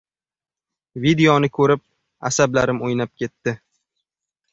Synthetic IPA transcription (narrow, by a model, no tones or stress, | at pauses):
vid̪eɒnɪkʰɵɾɪp̚ | a̰sablaɾɪmojnap̚kʲe̞t̪ːɪ